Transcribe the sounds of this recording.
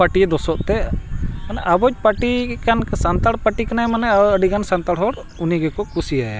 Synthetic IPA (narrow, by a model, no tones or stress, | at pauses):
paʈid̪ɔsɔʔt̪ɛmanɛʔabɔt͡ʃ̚paʈikansant̪aɽpaʈikanajmanɛaəɖikansant̪aɽɦɔɽ | uniɡɛkɔkusijaj